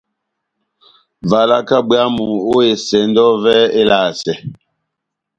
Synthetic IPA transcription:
va˨la˦ka˦bɰa˦mu˨o˦e˨sɛ˨˦n˦dɔ˦vɛ˦e˦la˨sɛ˨

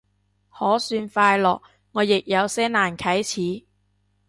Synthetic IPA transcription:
hɔː˨˥syː˧nfaː˧jlɔ̰ː˨k̚ | ŋɔː˨˧jɪ˨k̚jɐ˨˧wsɛː˥naː˨nkʰɐ˨˥jt͡sʰiː˨˥

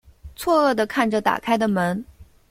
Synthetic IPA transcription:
t͡sʰwɔ˥˧ɤ˥˩d̪ə˩kʰa˥˩nʈ͡ʂə˩t̪a̰˨˩kʰa˥ɪd̪ə˨mə˧˥n

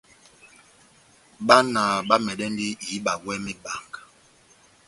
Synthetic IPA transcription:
ɓa˦na˨ɓa˦mɛ˨ɗɛ˦ndi˦ji˨˦ɓa˨wɛ˦mi˦ba˨ŋɡa˨

